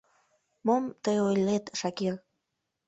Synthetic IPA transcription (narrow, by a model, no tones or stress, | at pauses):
momt̪əjojlʲet̪ʃɑkir